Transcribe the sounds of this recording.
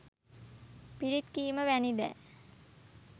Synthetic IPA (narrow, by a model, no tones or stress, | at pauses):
piɾit̪kiːməʋænid̪æ̰ː